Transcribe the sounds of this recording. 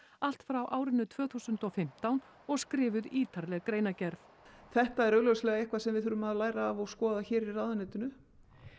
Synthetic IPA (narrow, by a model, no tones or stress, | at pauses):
al̥t̪fɾawʔaːwɾɪnːʏt̪ʰv̥œːθuːsʏnt̪ɔfɪm̥t̪awn | ɔɣskɾɪːvʏðiːt̪ʰaɾlɛɣkɾeːjnacɛɾθ | θɛht̪aɛɾœɣlœwslɛɣaehkvasɛmvɪðθʏɾʏmaðlaːjɾaːvɔɣskɔːðaçɛːɾiraðʏnɛt̪ʏnʏ